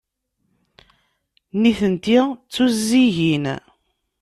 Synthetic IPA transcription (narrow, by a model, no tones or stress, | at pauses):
niθənt̪it͡sːuzːiʝin